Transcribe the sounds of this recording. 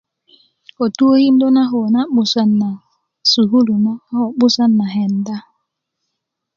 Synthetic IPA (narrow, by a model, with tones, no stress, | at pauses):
o˨tu˦o˦hi˦mdo˦na˦ɦɔ˨na˦ɓu˨sa˦nːa˨ | su˨ɦu˦lu˨ma˦hɔ˨ɓu˦sa˦nːa˨ɦɛ˨nda˦